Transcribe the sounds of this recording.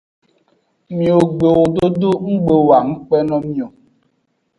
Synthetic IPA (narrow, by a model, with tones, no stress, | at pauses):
mĩ˨o˨ɡ͡be˨wo˨do˦do˦ŋ̩˦ɡ͡be˨wa˨ŋ̩˦k͡pɛ˦nɔ̃˦mĩ˦o˨